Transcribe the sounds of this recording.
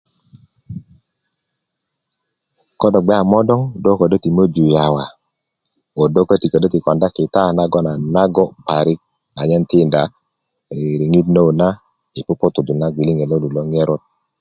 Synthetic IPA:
kɔ˦dɔ˨ɡ͡bɛ˦a˨mɔ˦dɔ˦ŋdo˦kɔ˨do˦ti˨mo˦d͡ʒu˨ja˨wa˨ | o˨do˦kə˦ti˨kɔ˨do˦ti˨kɔ˨nda˦ki˨ta˦˨na˦ɡɔ˦na˨na˦ɡɔ˦pa˨ɾi˦k̚ | a˨ɲɛ˦nti˦˨nda˨ | ɾi˨ŋi˦tno˦˨na˦ | i˨pu˦pɔ˦tu˨du˨na˦ɡʷi˨li˦ŋe˨lo˦lu˨lɔ˦ŋɛ˦ɾɔ˦t̚

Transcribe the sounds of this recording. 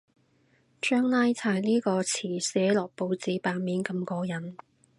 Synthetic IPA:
t͡ʃœː˥ŋlaː˥jt͡sʰaː˨˧˩jniː˥kɔː˧t͡sʰiː˨˩sɛː˨˥lɔː˨k̚po˧wt͡siː˨˧˥paː˨˧nmiː˨˥nkɐ˧mkɔː˧jɐ˨˥n

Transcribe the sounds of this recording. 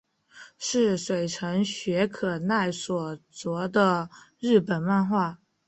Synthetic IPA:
ʂɻ̩˥˩ʂwe˨˩ɪʈ͡ʂʰɤ˧˥ŋɕɥɛ˧˥kʰɤ˨˩na˥˩ɪswɔ˨˩t͡swɔ˧˥d̪ə˧ | ɻɻ̩˥˩pə˨˩nwa˥˧nxwa˥˩

